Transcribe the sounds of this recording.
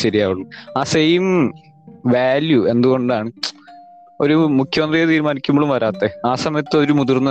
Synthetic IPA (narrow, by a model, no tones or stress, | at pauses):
ɕɐɾijaːʋuɭuaːsejim | ʋaːljuend̪uɣo̞ɳɖaːɳɨ | o̞ɾumukʰjɐmɐnd̪rijɐt̪̬iːɾumaːnikʲːumːoɭumʋɐɾaːt̪ːeaːsɐmɐjɐt̪ːɨo̞ɾumud̪urnːɨ